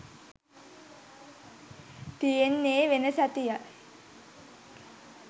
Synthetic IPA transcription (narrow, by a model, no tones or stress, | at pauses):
t̪ijenːeːʋenəsat̪ija